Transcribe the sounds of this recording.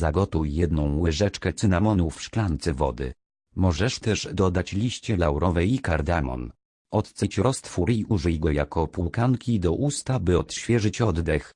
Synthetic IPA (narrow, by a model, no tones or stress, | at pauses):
zaɡɔt̪ujːɛd̪nɔ̃w̃wɘʐɛt͡ʂkɛt̪sɘnamɔnufʂklant̪sɛvɔ̰d̪ɘ̰ | mɔʐɛʂt̪ɛʂd̪ɔd̪at͡ɕlʲiɕt͡ɕɛlawɾɔvɛjikaɾd̪amɔ̰n | ɔt̪t̪sɛt͡ɕɾɔst̪fuɾiʔuʐɛjɡɔja̰kɔpulkaŋkʲid̪ɔʔust̪abɘɔt̪ɕfʲjɛʐɘt͡ɕɔd̪d̪ɛx